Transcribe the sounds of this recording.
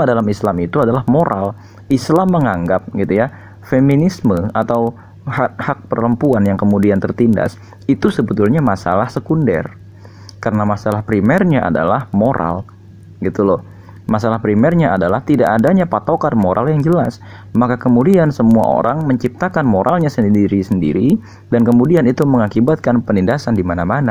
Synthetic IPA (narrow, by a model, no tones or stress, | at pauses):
adalamislamit̪uadalahmoɾʔal | islamːəŋaŋɡap̚ɡit̪uja | feminisməat̪aw | hahak̚pərləmpuanjaŋkəmudiant̪ərt̪inda̰s | it̪usəbət̪ulɲamasa̰lahsəkundɛ̰r | kaɾənamasalahpɾimɛrɲaʔa̰da̰lahmoɾa̰l | ɡit̪ulɔh | masalahpɾimɛrɲaadalaht̪idaʔadaɲapat̪okarmoɾʔa̰ljaŋd͡ʒəlas | makakəmudiansəmua̰ʔo̰ɾaŋməɲt͡ʃip̚t̪akanmoɾʔalɲasəndiɾisəndḭɾi | dankəmudianit̪uməŋakibat̪̚kanpənindasandimanamana